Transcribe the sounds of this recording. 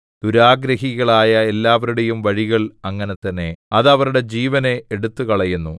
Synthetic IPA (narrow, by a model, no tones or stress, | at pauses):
d̪̥uɾaːɡɾɐɦiɣɐɭaːjɐe̞lːaːʋɐɾuɽe̞jumʋɐɻiɣɐɭɐŋːɐne̞t̪ːɐnːe̞ɐðɐʋɐɾuɽe̞d͡ʑiːʋɐne̞ːɽut̪ːukɐɭɐjunːu